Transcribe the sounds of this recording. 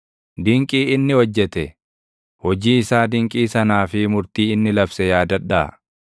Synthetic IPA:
d̪ɪŋkʼiːɪnːɪhɔd͡ʒːɛt̪ɛ | hɔd͡ʒiːɪsaːd̪ɪŋkʼiːsɐnaːfɪmʊɾt̪iːɪnːɪlɐbsɛjaːd̪ɐᶑːɐʔɐ̰

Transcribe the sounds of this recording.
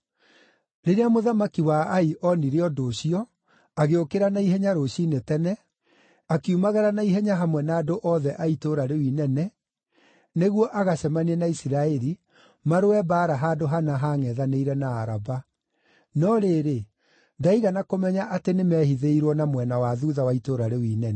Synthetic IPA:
ɾeɾeamoðamakiwaaiʔɔniɾeɔdoːɕiɔ | aɣeokeɾanaiɦɛɲaɾoɕinetɛnɛ | akiumaɣɛɾanaiɦɛɲaɦamwɛnaːdoʔɔðɛʔaitoɾaɾewinɛnɛ | neɣwɔʔaɣaɕɛmaniɛnaisiɾaɛɾi | maɾoɛbaːɾaɦadoɦanaɦaŋɛðaneiɾɛnaːɾaba | nɔɾeːɾe | daiɣanakomɛɲaʔatenemɛhiðeiɾwɔnamwɛnawaðuðawaitoɾaɾewiːnɛnɛ

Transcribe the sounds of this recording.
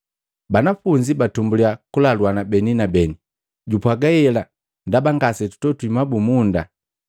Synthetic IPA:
banafuɲd͡ʒibatumbuliakulalwanabɛninabɛni | ɟupwaɡaɛla | ndabaŋɡasɛtu̥tɔtwimabumunda

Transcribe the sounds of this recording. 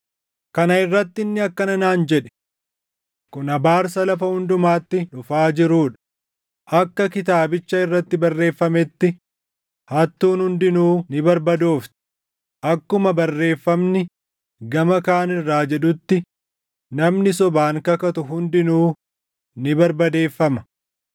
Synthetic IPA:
kɐnɐɪrːɐt̪ːɪɪnːɪɐkːɐnɐnaːnd͡ʒɛᶑɛ̥ | kʊnɐbaːɾsɐlɐfɐhʊnd̪ʊmaːt̪ːɪᶑʊfaːd͡ʒɪɾuːᶑɐ̥ | ʔɐkːɐkɪt̪aːbɪt͡ʃːɐɪrːɐt̪ːɪbɐrːe̞ːfːɐmɛt̪ːɪ | hɐt̪ːuːnhʊnd̪ɪnuːnɪbɐɾbɐd̪oːft̪ɪ̥ | ʔɐkːʊmɐbɐrːe̞ːfːɐmnɪ | ɡɐmɐkaːnɪrːaːd͡ʒɛᶑʊt̪ːɪ | nɐmnɪsɔbaːŋkɐkɐt̪ʊɦʊnd̪ɪnuː | nɪbɐɾbɐd̪e̞ːfːɐmɐ

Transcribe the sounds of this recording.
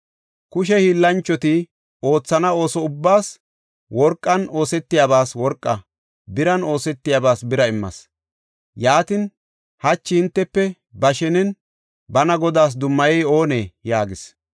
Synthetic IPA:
kʊʃɛhiːlːɐnt͡ʃːɔt̪ɪ | o̞ːt͡sːɐnɐo̞ːsɔʊbːaːs | wɔɾkʼːɐno̞ːsɛt̪ːɪjabaːswɔɾkʼːɐ | bɪɾɐno̞ːsɛt̪ːɪjaːbaːsbɪɾɐɪmːɐ̰s | jaːt̪ɪn | hɐt͡ʃːɪhɪnt̪ːɛpːɛ | bɐʃɛnɛn | bɐnɐɡɔd̪aːs̬d̪ʊmːɐjɛjo̞ːneːjaːɡɪs

